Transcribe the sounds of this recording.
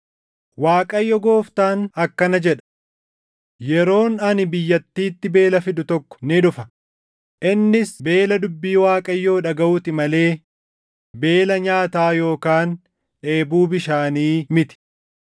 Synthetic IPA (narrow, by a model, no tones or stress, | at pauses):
waːkʼɐjːɔɡo̞ːft̪aːnɐkːɐnɐd͡ʒɛᶑɐ̥ | jɛɾo̞ːnɐnɪbɪjːɐt̪ːiːt̪ːɪbe̞ːlɐfɪd̪ʊt̪ɔkːɔ̥nɪᶑʊfɐ | ʔɪnːɪsbe̞ːlɐd̪ʊbːiːwaːkʼɐjːo̞ːᶑɐɡɐʔʊt̪ɪmɐle̞ː | be̞ːlɐɲaːt̪aːjo̞ːkaːn | ᶑe̞ːbuːbɪʃaːniːmɪt̪ɪ̥